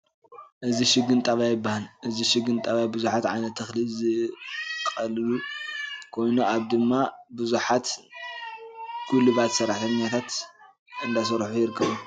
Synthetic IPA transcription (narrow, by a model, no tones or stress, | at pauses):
ʔɨziʃɪɡɨnt̪ʼaβajɪbːahalʔɨziʃɪɡɨnt̪ʼɐβabɨzuħat̪ʕa̰jnɐt̪ʰːɐxlizɨ | kʼɐlɨlu | kʰo̞jnuaβd̪ɨmːabɨzuħat̪ | kʰulɨβat̪sɐɾːaħt̪ʰɐɲːat̪ʰat̪ | ɨnd̪as̬ɐɾħujɪɾɨkʰːɐβu